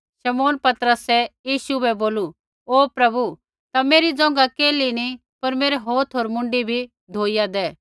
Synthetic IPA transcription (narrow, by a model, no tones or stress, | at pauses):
ʃɐmoːnpɐt̪ɾəsɛjiːʃubɛboːlu | oːpɾɐbu | t̪ameːɾid͡zɔ̃ŋ̆ɡakeːlini | pɐɾmeːɾɛɦoːt̪ʰɦoːɾmʊ̃ɳɖibʱi | d̪ʱoːijad̪ɛː